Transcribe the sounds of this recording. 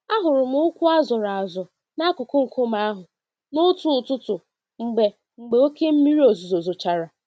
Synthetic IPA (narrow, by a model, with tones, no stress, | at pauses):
a˦ɦʊ˨ɾʊ˨m̩˦ʊ˦kʷu˦a˦zʊ˨ɾa˨a˨zʊ˨ | na˦kʊ˨kʊ˦ŋ̩˨kʊ˦m̩a˦a˦ɦʊ˨ | nʊ˦tu˨n̩˨tʊ˦tʊ˨ | ŋ͡m̩˨ɡ͡be˨ | ŋ͡m̩˨ɡ͡be˨˦o˦ke˦m̩˦mi˦ɾi˦o˨zo˨zo˨zo˨t͡ʃa˨ɾa˨